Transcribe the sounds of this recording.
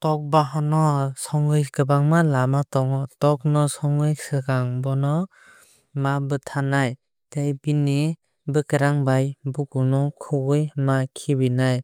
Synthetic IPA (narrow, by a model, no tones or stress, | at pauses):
tɔk̚baɦanɔsɔŋɯjkɯbaŋmalamatɔŋɔtɔk̚nɔsɔŋɯjsɯɡaŋbɔnɔ | mabɯtʰanaj | tejbini | bɯkɯɾaŋbajbukunɔkʰɯɡɯjmakʰibinaj